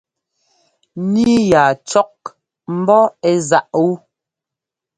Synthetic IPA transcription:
ni˦ja˨t͡ʃɔ˦k̚ | m̩˦bɔ˦ɛ˦˨za˦˨ʔu˦

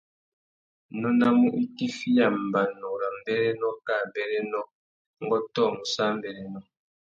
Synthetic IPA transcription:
nɔ˦na˦mu˦ʔi˦ti˦fi˦ja˨m˨ba˨nɔ˨ɾa˨m˨bɛ˦ɾɛ˦nɔ˦ka˦˨bɛ˨ɾɛ˦nɔ˦ | ŋ˦ɡɔ˦tɔ˦˨mu˨sa˦m˦bɛ˨ɾɛ˦nɔ˦

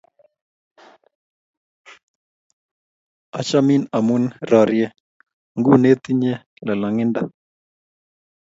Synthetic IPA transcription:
a̰˨t͡ʃa˦mi˦na˨munra˨ɾjɛ˦ | ŋɡu˦ne˦t̪i˦ɲɛ˦ | la˨la˨ŋi˦nda˦

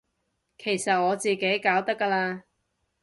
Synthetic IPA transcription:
kʰe˨˩jsɐ˨t̚ŋɔː˨˧t͡siː˨ke˨˥jkaː˨˥wt̪ɐ˥kːaː˧laː˧

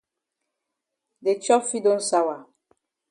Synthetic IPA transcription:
de˨t͡ʃɔ˦fi˦dõ˦n̩sa˦wa˨

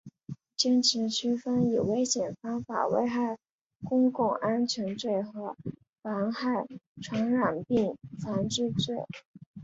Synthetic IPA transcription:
t͡ɕjɛ˥nʈ͡ʂʰɻ̩˧˥t͡ɕʰy˥fə˥ni˨˩we˥ɪɕjɛ˨˩nfɑ˥ŋfa̰˨˩wḛ˥˧ɪxa˥˩ɪ | kʊ˥ŋkʊ˥˩ŋʔa˥nt͡ɕʰɥɛ˧˥nt͡swe˥˩ɪxɤ˧˥ | fɑ˧˥ŋxa˥˩ɪʈ͡ʂʰwɑ˧˥ŋɻa˨˩npi˥˩ŋt͡sʰa˧˥nʈ͡ʂɻ̩˥˧t͡swe˥˩ɪ

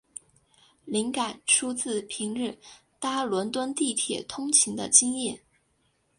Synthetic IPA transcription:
li˧˥ŋka˨˩nʈ͡ʂʰu˥t͡sɹ̩˥˩pʰi˧˥ŋɻ̩˥˩ | t̪a˥lwə˧˥nt̪wə˥nt̪i˥˩t̪ʰjɛ˨˩t̪ʰʊ˥ŋt͡ɕʰi˧˥ŋd̪ə̰˧t͡ɕi˥ŋjɛ˥˩

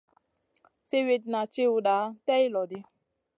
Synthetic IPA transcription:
se˦we˦t̚na˨t͡ʃe˦u˨ɗa˨˦tɛ˦i˦lɔ˨di˦

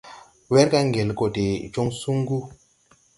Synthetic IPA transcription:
we˦ɾka˦ŋɡe˨lko˨te˨t͡ʃo˦ŋsu˦ŋɡu˦

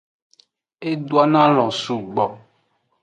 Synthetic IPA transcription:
e˦du˦a˦nã˦lɔ̃˨su˨ɡ͡bɔ˨

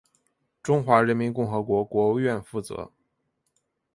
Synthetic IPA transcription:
ʈ͡ʂʊ˥ŋxwa˧˥ɻə˧˥nmi˧˥nkʊ˥˩ŋxɤ˧˥kwɔ˧˥kwɔ˧˥u˧ɥɛ˥˧nfu˥˩t͡sɤ̰˧˥

